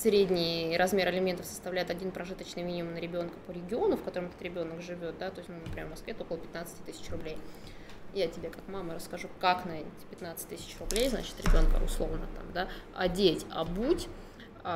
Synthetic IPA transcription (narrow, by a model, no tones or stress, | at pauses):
sɾʲedʲnʲɪjɾɐzmʲe̞ɾɪlʲɪmʲe̞nt̪əfsə̥st̪ɐvlʲæjɪt̪ɐdʲinpɾɐʐɨt̪ət͡ɕnɨjmʲinʲɪmʊmnəɾʲɪbʲo̞nkə̥pəɾʲɪɡʲɪo̞nʊfkɐt̪o̞ɾəmɛt̪ət̪ɾʲɪbʲo̞nəkʐɨvʲo̞t̪̚d̪at̪o̞jsʲtnunəpɾʲɪevmɐskvʲet̪ooklˠəpʲɪ̥t̪nat̪sɨtʲɪ̥t̪ɨsʲɪ̥t͡ɕrʊblʲej | jatʲɪbʲe̞kakmaməɾəskɐʐukaknɐɛtʲɪ̥pʲɪt̪nat̪sɨ̥t̚ʲt̪ɨsʲɪ̥t͡ɕrʊblʲejzna̰t͡ɕɪ̥t̪ɾʲɪbʲo̞nkə̰ʊ̰slˠo̞vnə̰t̪a̰md̪aɐ̰dʲetʲɐ̰butʲ